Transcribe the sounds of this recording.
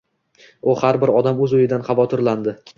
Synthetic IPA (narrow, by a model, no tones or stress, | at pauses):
ʊhaɾbɪɾɒd̪amɵzʊjɪd̪anχɑvɒt̪ʰɪɾland̪ɪ